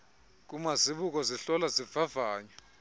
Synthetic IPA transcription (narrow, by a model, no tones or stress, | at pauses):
k̬ʼumaziɓuk̬ʼɔziɬɔlaziv̥avaːɲɔ